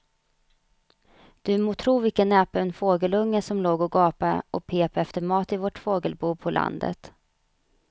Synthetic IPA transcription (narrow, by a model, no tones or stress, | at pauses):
d̪̥ɵmoːt̪ʰɾuːvɪkːənːɛapəɛnfoːɡəlɵŋːəsɔmloːɡɔɡɑːpaʔɔpʰeːpɛft̪əɾmɑːt̪ɪvɔʈfoːɡəlbuːpʰɔlʔa̰nd̪ə̰t̪